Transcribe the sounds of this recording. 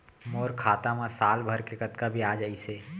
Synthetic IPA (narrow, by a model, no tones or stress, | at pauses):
moːɾkʰaːt̪amãsaːlbʱəɾkekət̪kabʱiaːd͡ʒaiseː